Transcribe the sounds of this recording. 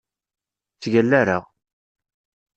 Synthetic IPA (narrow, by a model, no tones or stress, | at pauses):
t͡sːʝælːæɾa̰ʁ